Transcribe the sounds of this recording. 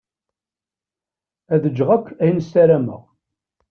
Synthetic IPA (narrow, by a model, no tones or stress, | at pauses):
æðəd͡ʒːʁækʷʰːæjnəsæɾæmə̰ʁ